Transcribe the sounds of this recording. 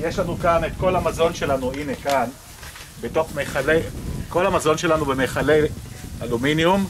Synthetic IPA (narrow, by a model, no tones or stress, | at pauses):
jeʃlanukane̞tko̞lamazo̞nʃe̞lanuine̞kan | beto̞χmeχaleko̞lhamazo̞nʃe̞lanubemeχale̞jalominjum